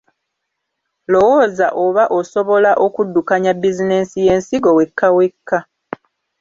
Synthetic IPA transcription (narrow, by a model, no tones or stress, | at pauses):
lo̞woːzaʔoβaʔoso̞βo̞laʔo̞kudːukaɲabːizine̞sije̞ːnsiɡo̞we̞kʰːawe̞kʰːa